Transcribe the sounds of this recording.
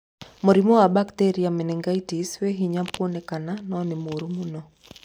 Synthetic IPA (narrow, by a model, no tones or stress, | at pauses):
moɾimowabakteɾiamɛnɛŋɡaitisweɦiɲampwonekananɔnɪmoɾumunɔ